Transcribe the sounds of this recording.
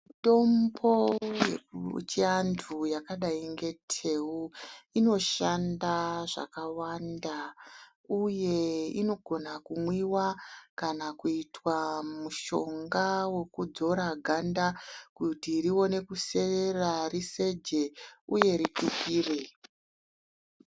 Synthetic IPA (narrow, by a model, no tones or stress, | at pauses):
to̞mbo̞ | t͡ʃeantʰujakaɗaiŋɡe̞tʰe̞wuino̞ʃandaʐa̰kawanda | uje̞ino̞ɡʱo̞nakumwiwakanakuitwamuʃo̞ŋɡawe̞kud͡zo̞ɾaɡʱandakutiɾiwo̞ne̞kuse̞erarise̞d͡ʒeuje̞ɾitukiːre̞